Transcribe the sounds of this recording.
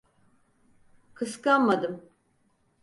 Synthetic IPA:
kʰɯskanmad̪ɯm

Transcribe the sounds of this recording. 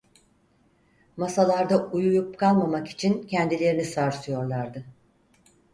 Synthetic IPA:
masalˠaɾd̪aujujup̚kʰalˠmamaki̥t͡ʃʰincʰɛnd̪ilʲe̞ɾinisaɾsɯjo̞ɾlˠaɾd̪ɯ

